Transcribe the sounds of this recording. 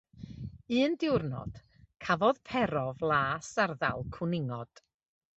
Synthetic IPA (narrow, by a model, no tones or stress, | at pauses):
ɨːndɪwrnɔ̰d̥ | kʰavɔðpʰɛɾɔvlˠaːsarða̰lˠkʰʊnɪŋɔd̥